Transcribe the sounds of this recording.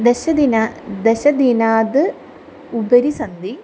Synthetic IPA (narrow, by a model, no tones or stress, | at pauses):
d̪eɕɐd̪inad̪eɕɐd̪inaːd̪ɨ | ubɐɾisɐnd̪i